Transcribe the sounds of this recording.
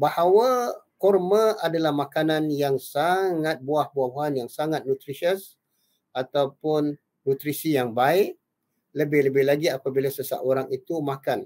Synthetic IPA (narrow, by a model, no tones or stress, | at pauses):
bahawakɔrmə̃adalahmakananjaŋsaŋat̪̚buahbuahbuɦanjaŋsaŋat̪̚nut̪ɾisəs | at̪awpʊnː | ut̪ɾisijaŋbaɪʔ | ləbɪhləbɪhlaɡiapabilasəsa̰ʔoɾaŋit̪umakan